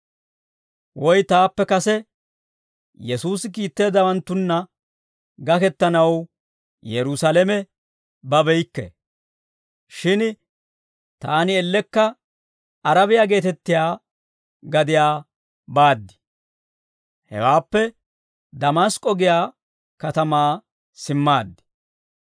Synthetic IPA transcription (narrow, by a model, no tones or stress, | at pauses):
wɔjt̪aːpːɛkɐsɛ | jɛsuːsɪk̬iːt̪ːe̞ːd̪ɐwɐnt̪ːʊnːɐ | ɡɐkɛt̪ːɐnɐw | jɛɾʊsɐlɛmɛ | bɐbɛjkːɛ̰ | ʃɪn | t̪aːnɪɛlːɛkːɐ | ɐɾɐbɪjaːɡe̞ːt̪ɛt̪ːɪjaː | ɡɐd̪ɪjaː | baːd̪ːɪ̥ | hɛ̰waːpːɛ | d̪ɐmaskʼːɔɡɪjaː | kɐt̪ɐmaː | sɪmːaːd̪ːɪ̥